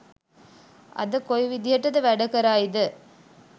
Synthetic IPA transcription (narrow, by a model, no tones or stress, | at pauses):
ɐ̰d̪əkojʋid̪ijɐʈːɐt̪ɐʋæɖɐkɐɾaːid̪ə